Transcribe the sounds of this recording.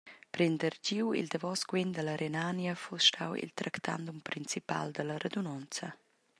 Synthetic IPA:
pɾɛnd̪əɾɟiwḭld̪əvɔsɡwend̪ələɾʔenanjəfusʃtʰa̰wḭlt̪ɾʔakt̪ʰa̰nd̪umpɾint͡sipa̰ld̪ələɾed̪unɔnt͡sə

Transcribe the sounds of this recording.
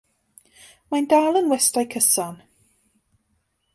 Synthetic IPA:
majndalˠənwɛstajkʰəsɔn

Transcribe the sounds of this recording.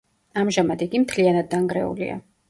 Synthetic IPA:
amʒamad̪iɡimt̪ʰlianad̪̚ːaŋɡɾɛṵlḭa̰

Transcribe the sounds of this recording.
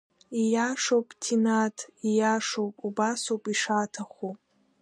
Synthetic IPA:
ijaʂowpʼtʰinatʰijaʂowpʼubasowpʼiʂaːtʰaχʷu

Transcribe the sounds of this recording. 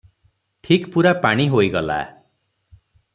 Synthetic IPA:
ʈʰikpuɾapaɽ̃iɦoiɡɔla̰

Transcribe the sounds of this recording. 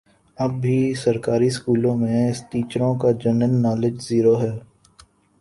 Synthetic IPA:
ɐbːisɐɾkaːɾiskuːlõmẽɪst̪iːt͡ʃɾõkad͡ʒənənːɔːlɪd͡ʒziːɾoɦɛː

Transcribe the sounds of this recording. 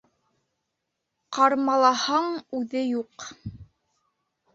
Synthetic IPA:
qɑɾmɑlˠɑhɑɴʉðɘjuq

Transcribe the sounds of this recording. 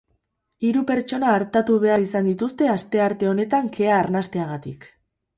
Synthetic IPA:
iɾupe̞ɾt͡ʃo̞naːɾt̪at̪uβe̞aɾisand̪it̪ust̪e̞ast̪e̞aɾt̪e̞o̞ne̞t̪aŋke̞aːɾnast̪e̞aɣat̪ḭk

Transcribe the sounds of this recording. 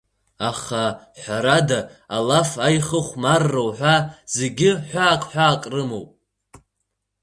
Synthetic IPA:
aχaħʷaɾadaːlafajχəχʷmarːowħʷᶣaz̥eɡʲɪħʷaːkʼħʷᶣaːkʼrɨmo̰wpʼ

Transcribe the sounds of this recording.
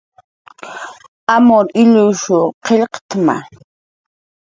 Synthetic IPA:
amoɾɪʎʊʃʊqʰeʎqt̪ma̰

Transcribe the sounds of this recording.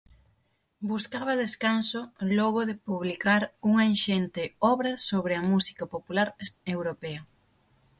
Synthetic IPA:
buskaβɐðeskansolɔɣoðepuβlikaɾuŋɐenʃent̪eɔβɾɐsoβɾɪɐmusi̥kapopulaɾewɾopɛɐ

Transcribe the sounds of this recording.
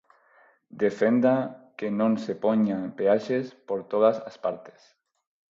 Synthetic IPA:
d̪efend̪akenõnsepoɲapeaʃespoɾt̪oðasa̰spaɾt̪e̥s

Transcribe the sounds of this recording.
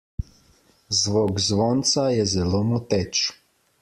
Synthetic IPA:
zʋokzʋɔnt̪sajɛzɛlomɔt̪ɛt͡ʃ

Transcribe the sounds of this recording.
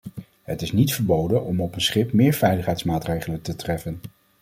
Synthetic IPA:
ɦətɪsnitfəɹbowdənɔmɔpənsχɪpmɪːɹvɛjləχɦɛjtsmaːtrejχələntətrɛfən

